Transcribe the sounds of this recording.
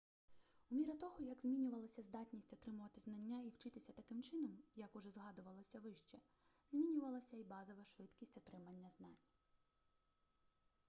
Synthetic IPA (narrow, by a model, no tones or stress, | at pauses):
umʲiɾɐt̪ɔɦɔjɐɡzʲmʲinʲʊʋɐlˠɐsʲɐzd̪ɑtʲnʲisʲtʲɔt̪ɾɪmʊʋɐt̪ɪznɐnʲːaiwt͡ʃɪt̪ɪsʲɐt̪ɐkɪmt͡ʃɪnɔmjɐkʊʒɛzɦɑd̪ʊʋɐlˠɔsʲɐʋɪʃt͡ʃɛ | z̥ʲmʲinʲʊʋɐlˠɐsʲɐibɑzɔʋɐʃʋɪt̪kʲisʲtʲɔt̪ɾɪmɐnʲːɐznɑnʲ